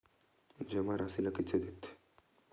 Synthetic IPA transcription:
d͡ʑeʋaɾasilakit͡sʰed̪et̪ʰe̥

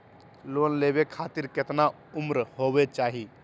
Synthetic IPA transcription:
loːnleːbekʰaːt̪iɾkɪt̪na | ʊmɾɦobet͡ʃaːɦi

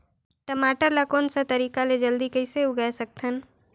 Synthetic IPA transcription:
ʈəmaːʈəɾlakoːnsat̪ɐɾiːkaled͡ʒəld̪ikɐɪseuɡəɛsək̚t̪ʰən

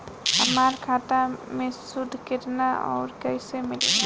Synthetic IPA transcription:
ɦəmaɾkʰat̪amesud̪ʱket̪naʔɔ̰ːɾkəjsemil

